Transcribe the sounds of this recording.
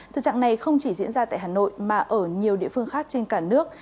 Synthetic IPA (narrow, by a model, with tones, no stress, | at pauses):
t̪ʰɨ˨˩t͡ɕa̰ː˧˨ŋna˨˩jxə˧wŋ͡mt͡ɕi˧˩zḭ˧˥ənzaː˧t̪a̰ː˧˨jhaː˨˩no̰˧˨jmaː˨˩ʔəː˧˩ɲi˨˩əwɗḭ˧˨əfɨ˧əŋxaː˦˥k̚t͡ɕe˧nkaː˧˩nɨ˦˥ək̚